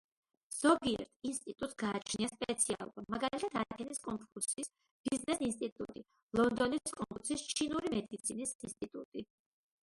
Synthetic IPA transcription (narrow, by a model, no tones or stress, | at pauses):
z̥ɔɡiɛ̰ɾt̪ʰinst̪ʼit̪ʼut̪ʼsɡaːt͡ʃʰniaspʼɛt̪sʰia̰lˠubamaɡalit̪ʰat̪ʰadakʰɛniskʼɔŋkʼuɾsis | b̥iznɛsinst̪ʼit̪ʼṵt̪ʼi | lˠɔnd̪ɔnikʼɔ̃ŋkʼuɾsist͡ʃʰinuɾimɛd̪it̪sʰinisinst̪ʼit̪ʼut̪ʼi